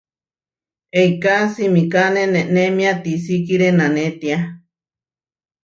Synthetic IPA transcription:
eikasimikanẽnenemiat̪isikiɾenãnẽt̪ia

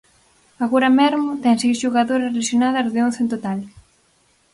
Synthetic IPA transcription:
aɣoɾɐmɛɾmʊt̪ɛŋsejsʃuɣaðoɾɐsrelasjonað̞ɐzðɪõn̟θent̪ot̪al

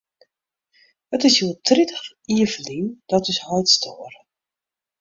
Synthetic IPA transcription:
ətɪsjuətʰritə̥x | iəvəlind̥ɔtɪshɔjtstʰoːər

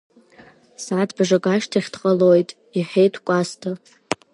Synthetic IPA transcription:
saːdʰbʐakʼaʃtʰiχʲdqʼəlojtʼ | iħejtʰkʷʼastʰa

